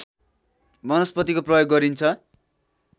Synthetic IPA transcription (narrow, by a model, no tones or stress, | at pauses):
mʌnʌspʌt̪ikoprʌjoɡːʌɾint͡sʰʌ